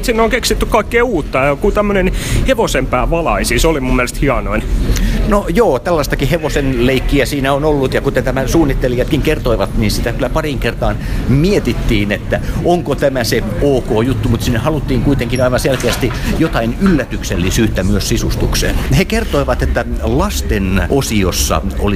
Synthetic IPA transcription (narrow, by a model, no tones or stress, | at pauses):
t̪sinːoŋkeksit̪ːykkɑikːeːuːt̪ːɑjɑkut̪æmːønenheʋosempæːʋɑlɑisiseolimumːielest̪hiɑnoinnojoːt̪ælːɑst̪ɑkiheʋosenleikːiæsiːnæonolːut̪jɑkut̪ent̪æmæsuːnːit̪ːelijɑt̪kiŋkert̪oiʋɑt̪niːnsit̪ækylːˑæpɑriŋkert̪ɑːnmiet̪it̪ːiːnet̪ːæʔoŋkot̪æmæseoːkoːjut̪ːumut̪sinːehɑlut̪ːiːŋkuit̪eŋkinɑiʋɑnselkeæst̪ijot̪ɑinylːæt̪ykselːisyːt̪ːæmyøssisust̪uksḛːnhekert̪oiʋɑt̪et̪ːælɑst̪enʔosiosːɑ̰o̰li